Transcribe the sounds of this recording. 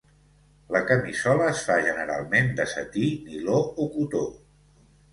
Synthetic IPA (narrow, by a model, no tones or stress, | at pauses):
ləkəmisɔləːsfaʒənəɾa̰lˠmend̪əsə̰t̪inilookut̪o